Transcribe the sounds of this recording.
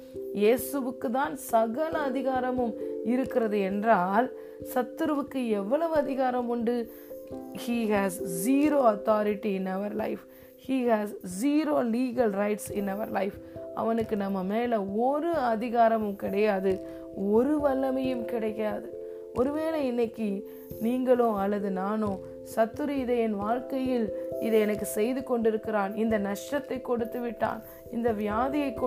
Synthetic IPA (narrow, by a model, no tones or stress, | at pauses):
jeːsɯʋɯkːɯt̪ːaːnsɐɣɐlɐːðɪɣaːɾɐmɯmɪɾɯkːɪɾɐðɯɛndraːl | sɐt̪ːɯɾɯʋɯkːɯɛʋːɐɭɐʋɯɐðɪɣaːɾɐmʊɳɖɯ | hiːɦæːzziːɾoːɐt̪aːɾɪʈːiɪnɐʋɐɾlɐ̰ɪf | hiːhæːzziːɾoːliːɡɐlɾɐɪʈsɪnɐʋɐ̰ɾlɐɪfʔɐ̰ʋɐnɯkːɯnɐmːɐmeːlɐɔɾɯɐðɪɣaːɾɐmɯmkɪɽɐjaːðɯ | ɔɾɯʋɐlːɐmɐjɯmkɪɽɐkːaːðɯ | ʔɔɾɯʋeːlɐɪnːɐkːi | niːŋɡɐɭõɐlːɐðɯnaːnõː | sɐt̪ːɯɾɯɪðɐɛnʋaːɻkɐjɪlɪðɛɛnɐkːɯsɛjðɯkɔɳɖɪɾɯkːɪɾaːnɪnd̪ɐnɐʂʈɐt̪ːɐɪkːɔɽɯt̪ːɯʋɪʈːa̰ːn | ɪnd̪ɐʋɪjaːðɪjɐɪkː